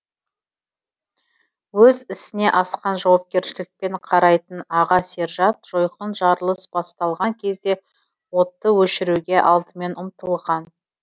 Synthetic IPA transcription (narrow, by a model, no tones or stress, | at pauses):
wɵzɪsɪne̞ʔɑsqɑnʒɑwɑp̚kʲe̞ɾʃɪlɪk̚pe̞ɴqʰɑɾɑjt̪ənɑʁɑse̞ɾʒɑt̪̚ʒ̥o̞jqənʒɑɾəlˠəsbɑst̪ɑlˠʁɑŋkʲʰe̞zd̪e̞ | wo̞t̪ːəwɵʃɪɾuɡʲe̞ʔɑlˠd̪əme̞nʊmt̪əlˠʁɑn